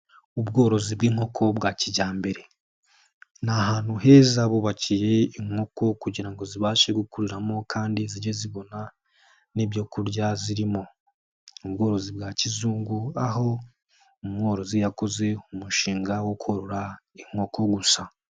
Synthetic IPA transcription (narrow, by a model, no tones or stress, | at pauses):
ubɡo̞ːɾo̞zibɡiːŋho̞kʰo̞bɡaciɟaːmbe̞ɾe̞ | naɦaːn̥huɦe̞ːzaβuβacije̞iŋo̞ko̞kuɟiɾaŋɡo̞ziβaːʃe̞ɡukuɾiɾamo̞kʰaːndiziɟeziβo̞na | nibjo̞ːkuɾɟaziɾimo̞ | ubɡo̞ːɾo̞zibɡaːcizuːŋɡuaɦo̞ | umŋo̞ːɾo̞zijako̞ze̞umuʃiːŋɡawokuhoɾoɾaiŋ̥ho̞ko̞ɡusa